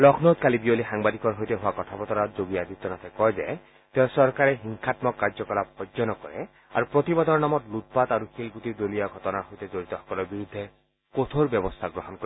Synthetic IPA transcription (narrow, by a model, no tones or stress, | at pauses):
lɔkʰnot̪̚kalibiolixaŋbad̪ikɔɹɦojteɦʊwakɔt̪ʰapɔt̪ɔnazoɡiad̪it̪ːɔnat̪ʰɛkɔjzɛ̰ | t̪eʊ̃sɔɹkaɹɛɦiŋkʰatmɔkːaɹd͡ʒɔkɔlap̚xɔzɔnɔkɔɹɛ̰ | a̰ɹupɹot̪ibad̪ʱɔɹnamɔtlut̪̚pat̪aɹuxilkut̪id̪olijaɡʱɔtɔnaɦojtezoɹit̪ɔxɔ̥kɔlɔɹbiɹud̪ʱːe | kot̪ʰoɹbjɔbɔst̪ʰaɡɹɔɦɔnkɔɛ